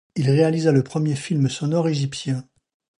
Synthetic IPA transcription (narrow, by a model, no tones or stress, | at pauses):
ilʁealizaləpχəmjefilmsɔnɔʁeʒipsjɛ̃